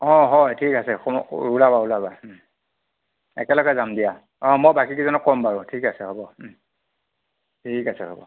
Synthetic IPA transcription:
ɔ̃ɦɔjtʰikasɛxɔulabaulaba | ɛ̰kɛlɔɡɛzamdija | ɔ̃mɔjbakikizɔnɔkkɔmbaɹʊ̃tʰikasɛhɔbɔ | tʰikasɛɦɔbɔ̰

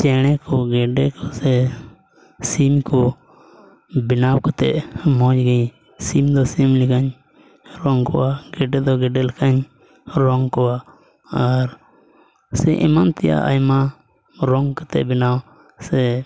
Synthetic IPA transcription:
t͡ʃeːɽeːkoɡeːɖeːkoseː | siːmkoː | bɪnaːwkət̪eːmɔ̃ːd͡ʒɡəĩ | siːmd̪oːsiːmlikaɲ | ɾoːŋko̰aɡeːɖed̪oːɡeːɖelkaɲ | ɾoŋɡkoːaː | əɾ | seʔɪmant̪ɪja̰ʔa̰jmãː | ɾoːŋɡkət̪ḛːbɪnaːw | seː

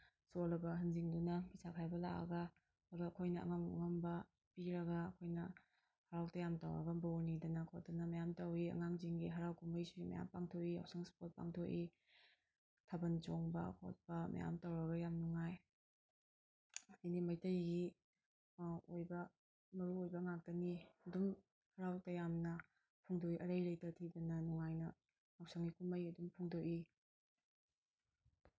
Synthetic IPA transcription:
solɐbɐɦɐnd͡ʒiŋdunɐpʰisakʰajbɐla̰kɐ̰ɡɐ | aɡɐɐkʰojnɐ̰ːŋɐma̰ŋɐmbɐ | piɾɐɡɐːkʰojnɐ | haɾawtɐjamta̰wɐ̰ɡɐbonidɐnɐkʰotɐnɐmɐjamtɐwiɐ̰ŋaŋd͡ʒiŋɡiɦaɾawkumbɐjsuɡimɐ̰ja̰mpaŋtʰoia̰wsaŋspot̚pa̰ŋtʰoʔʔi | tʰabɐnt͡ʃoŋbɐ̰kʰo̰t̚pɐmɐ̰ja̰mtawɾɐɡɐjamnuŋaj | ijnimɐjtɐjɡi | ojbɐ | mɐɾuojbɐŋak̚dɐniɐdum | hɐɾawtɐjamnɐ | pʰuŋdoiʔɐɾɐjlejtɐtʰidɐnɐnuŋajnɐ | awsaŋɡikumɐjɐdumpʰuŋdoʔi

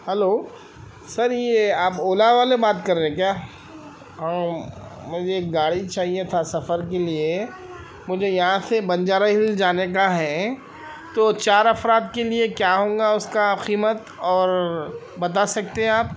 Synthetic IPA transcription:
hɛloː | sɐɾjeaːpoːlaʋaːlebaːt̪kɐɾẽẽkjaː | ɦãːmʊd͡ʒeːk̚ɡaːɽit͡ʃaːɦiet̪ʰasɐfəɾkelie | mʊd͡ʒʱejɐɦãsebɐ̃nd͡ʒaːɾaɦɪld͡ʒaːnekaɦɛː | t̪oːt͡ʃaːɾɐfɾaːd̪keliekjaːɦõːŋɡaʊskaːpqiːmət̪ɔːɾ | bɐt̪̬asɐk̚t̪eɦɛ̃aːp̚

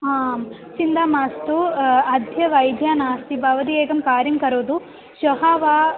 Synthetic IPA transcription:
aːm | t͡ʃind̪aːmaːst̪uɐd̪ʱjɐʋɐjd̪ʱjaːnaːst̪ibʱɐʋɐd̪ieːɡɐmkaːɾjɐmkɐɾoːd̪u | ʃɐɦaːʋaː

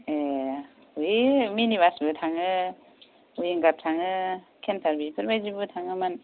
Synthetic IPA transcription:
e | ujminibasbɯtʰaŋɯ | ujiŋɡap̚tʰaŋɯ | kʰentʰaɾbipʰɯɾbajzibɯtʰaŋɯman

